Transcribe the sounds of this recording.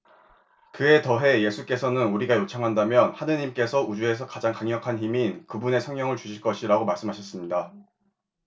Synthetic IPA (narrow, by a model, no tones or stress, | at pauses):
kɯe̞tʌɦe̞je̞sʰuk͈e̞sʰʌnɯnuɾiɡajot͡ɕʰaŋɦandamjʌnhanɯɲimk͈e̞sʰʌud͡ʑue̞sʰʌkad͡ʑaŋkaŋɲʌkʰançiminkɯbune̞sʰʌŋɲʌŋɯɭt͡ɕuɕʰiɭk͈ʌɕʰiɾaɡomaɭs͈ɯmɦaɕʰʌs͈ɯmɲida